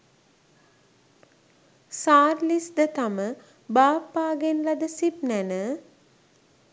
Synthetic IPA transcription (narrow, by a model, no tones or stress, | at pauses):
saːrlisd̪ət̪amə | baːpːaːɡenlad̪əsip̚nænə